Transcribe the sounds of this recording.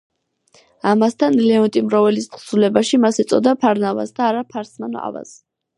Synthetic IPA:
amast̪ʰanlɛɔnt̪ʼimɾɔvɛlist̪χsulɛbaʃimasɛt̪sʼɔd̪apʰaɾnava̰sd̪aːɾapʰaɾsmanɔ̰a̰va̰s

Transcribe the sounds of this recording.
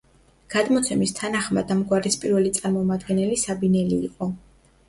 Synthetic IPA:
ɡ̥ad̪mɔt̪sʰɛmist̪ʰanaχmad̪amɡwaɾispʼiɾvɛlit̪sʼaɾmɔmad̪ɡɛnɛlisabinɛliːqʼɔ

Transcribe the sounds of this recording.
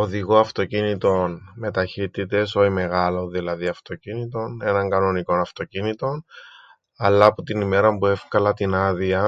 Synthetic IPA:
oðiɣo̞ɐft̪o̞cinit̪o̞nme̞t̪ɐçit̪it̪e̞so̞ime̞ɣɐlo̞ðilɐðiɐft̪o̞cinit̪o̞ne̞nɐŋɡɐno̞niko̞nɐft̪o̞cinit̪o̞n | ɐlːɐːpot̪inime̞ɾɐmbue̞fkɐlɐt̪inɐðiɐ

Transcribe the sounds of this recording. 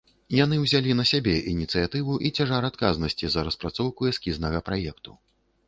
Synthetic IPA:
janɨwzʲalʲinɐsʲabʲɛʔinʲit̪sɨjat̪ɨvuʔit͡sʲaʐaɾat̪kaznɐsʲt͡sʲizɐɾɐspɾat̪sɔwkuɛskʲiznɐɣɐpɾajɛkt̪u̥

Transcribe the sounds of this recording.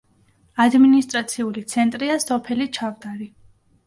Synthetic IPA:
ad̪minist̪ʼɾat̪sʰiulit̪sʰɛnt̪ʼɾiasɔpʰɛlit͡ʃʰavd̪aɾi

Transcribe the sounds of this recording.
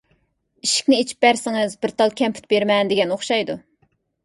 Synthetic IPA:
iʃi̥kʲnɪet͡ʃʰi̥p̚bæɾsɪŋɨzbɪɾt̪ʰɑlˠkʲʰɛmpʰy̥t̪̚beɾmɛnd̪eɡʲɛnoχʃɑjd̪u

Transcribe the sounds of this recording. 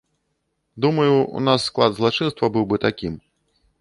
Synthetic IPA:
d̪umɐjuṵnasːklˠad̪zlˠat͡ʂɨnst̪vɐbɨwbɨt̪akʲim

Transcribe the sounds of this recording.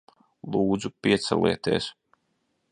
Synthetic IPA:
lˠuːd̪zupiɛt̪sɛ̰lˠḭɛt̪ḭːs

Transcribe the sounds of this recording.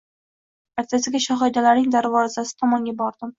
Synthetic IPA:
aɾt̪ʰasɪɡʲaʃaɦɒjd̪alaɾnɪŋd̪aɾvɒzasɪ̥t̪ʰɒmɒŋɡʲabɒɾd̪̥ɪm

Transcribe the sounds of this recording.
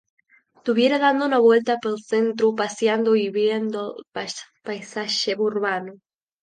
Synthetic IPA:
t̪uβjeɾaðand̪ounaβwelt̪apelsẽnt̪ɾʊpasjand̪oiβjend̪opa | pajsaʃeβuuɾβano

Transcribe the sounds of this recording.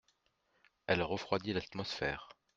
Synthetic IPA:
ɛlʁəfχwad̪ilat̪mɔsfɛːʁ

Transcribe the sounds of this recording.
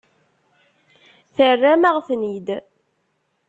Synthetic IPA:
θərːæməʁθnid̪

